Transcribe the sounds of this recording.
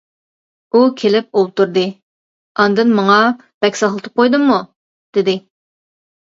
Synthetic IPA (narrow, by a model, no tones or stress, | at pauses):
ukʲʰelɪp̚olˠt̪uɾd̪ɨ | ɑnd̪ɨnmɑŋɑ | b̥ɛkʲsɑχlˠɨt̪ʰɨ̥p̚qʰojd̪ɨmːu | d̪̥ɪd̪ɪ